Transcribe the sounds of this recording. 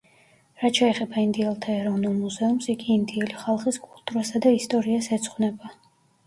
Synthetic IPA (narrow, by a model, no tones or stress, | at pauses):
ɾat̪ʃʰɛːχɛbaind̪iɛlˠt̪ʰaɛɾɔvnulˠmuzɛumsiɡiːnd̪iɛliχalˠχiskʼulˠt̪ʼuɾasad̪aist̪ʼɔɾiasɛt̪sʰʼχwnɛba